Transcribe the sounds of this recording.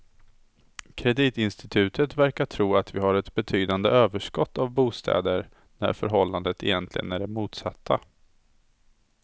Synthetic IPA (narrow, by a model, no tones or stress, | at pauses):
kʰɾɛd̪iːt̪ɪnst̪ɪt̪ʰʉ̟ːt̪ʰət̪væɾkaʈʰɾuːat̪vɪɦaɾɛt̪bɛt̪ʰyːd̪and̪əʔøːvəʂkɔt̪ːavbuːst̪ʰɛ̰ːd̪əɾ | næ̰ɾfœɾɦɔlːand̪ət̪ʰɛjɛnt̪ʰlɪ̰ɡə̰næɖɛmuːt̪sat̪ʰːa